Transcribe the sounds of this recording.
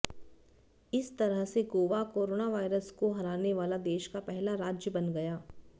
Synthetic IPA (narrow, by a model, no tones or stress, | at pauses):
ɪst̪ɐɾəɦseɡoːʋakoːɾoːnaʋaːɪɾəskoɦɐɾaːneʋaːlad̪eːʃkapɛɦlaɾaːd͡ʒjəbɐnɡɐjaː